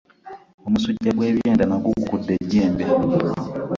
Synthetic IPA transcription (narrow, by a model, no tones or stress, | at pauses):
omusuɟːaɡwe̞ːβjeːndanaɡukukudːe̞ɟːeːmbe